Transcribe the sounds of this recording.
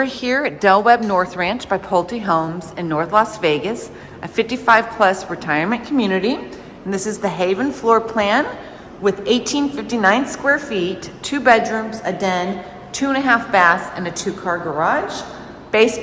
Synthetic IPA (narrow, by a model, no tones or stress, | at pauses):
ə˞hiɹd̥ɛlˠwɛb̚nɔɹθɹæ̃nt͡ʃb̥aɪpʰoʊlˠtiɦõʊ̃mzɨ̃nːɔɹθlɑsveɪɡɨs | ʔɨfɪftifaɪv̥pʰl̥ʌsɹɨtʰaɪə˞mɨ̃nkʰmjʉnɨɾĩ | n̩ðɪsɨzðɨɦeɪvɨ̃n̩flɔɹpʰl̥æ̃n | wɨðeɪtʰĩnfɪftinãɪ̃nskwɛɹfitʰʉbɛdɹʉ̃mzɨdɛ̃n | tʰʉə̃nɨɦæfb̥æsɨ̃nɨtʰʉkʰɑɹɡə˞ɑʒ̥ | b̥eɪs